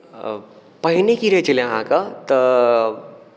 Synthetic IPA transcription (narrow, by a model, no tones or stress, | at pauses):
pɐɦɪnekiɾet͡ʃɐleɦãkat̪ɐ